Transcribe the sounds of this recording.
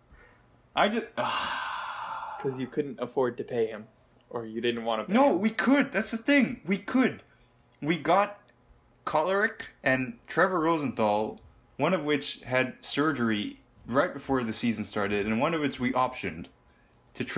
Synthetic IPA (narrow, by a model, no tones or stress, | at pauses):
ʔaɪd͡ʒʌʌ | kʰʌzjɨkʰʊdⁿn̩təfɔɹd̚tɨpʰeɪɪ̃m | ʔə˞jɨdɪdⁿn̩ʔ̚wɑ̃ñɨnoʊwikʰəd̪̚ðætsðɨθɪ̃ŋwikʰɨd̚ | wiɡɑt̚ | kʰɑlˠə˞ɪkɨ̃ntʰɹ̥ɛvə˞ɹoʊzɨ̃n̩θɔlˠ | wʌ̃ñʌvwɪt͡ʃɨd̚sɜ˞d͡ʒə˞i | ɹaɪt̚b̥ɨfɔɹðɨsizɨ̃n̩stɑɹɾɨɾɨ̃nwʌ̃nʌvɨt͡ʃwiʔɑpʃɨ̃n | tʰɨtʰ